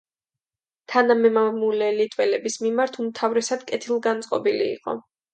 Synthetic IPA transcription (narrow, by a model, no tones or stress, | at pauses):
t̪ʰanamɛmamulɛlit̪ʼwɛlɛbismimaɾt̪ʰumt̪ʰavɾɛsad̪̥kʼɛt̪ʰilˠɡansʼqʼɔbilḭːqʼɔ̰